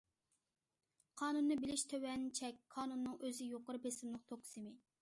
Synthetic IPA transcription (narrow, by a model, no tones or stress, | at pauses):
qʰɑːnunːɨbɪlɪʃt̪ʰøwɛnt͡ʃʰɛkʲqʰɑːnunːɨŋʔøzɪjoqəɾɨbesɪmlˠɨq̚t̪ʰoksɨmɪ